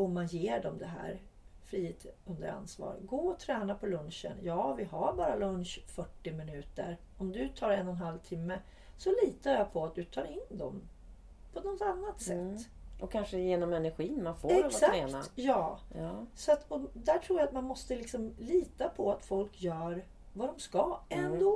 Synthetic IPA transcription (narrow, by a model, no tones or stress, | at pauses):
ɔmːanjeːɖɔmd̪ɛɦæ̰ːɾ | fɾiːɪt̪ɵnd̪ə̰ɾa̰nsvɑ̰ːɾə̰ɡoːɔt̪ʰɾɛːnapʰɔlɵnʂə̰njɑːvɪɦaɾbɑːɾalɵnʂfœʈːɪmɪnʉ̟ːt̪ə̰ɾ | ɔmd̪ɵt̪ʰɑːɾɛnːɔnɦalvt̪ʰɪmːə | sɔliːt̪aɾjapʰɔat̪̚d̪ɵt̪ʰɑːɾɪnd̪ɔ̰m | pʰɔnɔt̪anːat̪sɛt̪ː | ʔɔkʰanʂəjeːnɔmɛnæɾɧiːnmanfoːɛksamkeːnajɑː | sɔat̪ʰɔd̪æʈʰɾuːjat̪manmɔst̪əlɪksɔmliːt̪apʰɔat̪fɔlkjœːɾ | vad̪ɔmskaɛnd̪oː